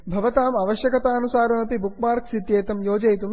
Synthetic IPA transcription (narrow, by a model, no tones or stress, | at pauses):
bʱɐʋɐt̪aːmɐʋɐʃjɐkɐt̪aːɐnusaːɾɐnɐpibukmaːɾksit̪jeːt̪ɐmjoːd͡ʒɐjt̪um